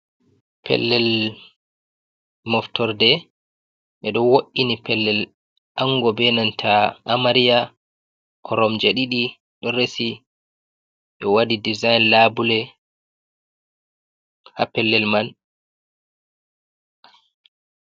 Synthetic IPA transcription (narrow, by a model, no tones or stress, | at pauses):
pʰɛ̰lːɛl | mɔftɔɾdɛ | ɓɛɗɔwoʔːinipɛlːɛl | ʔaŋɡɔbɛnantʰaʔːmaɾija | kʰɔɾɔmd͡ʒaɗiɗi | ɗɔɾesi | ʔɔwadidizajnlabulɛ | ha̰pɛlːɛlman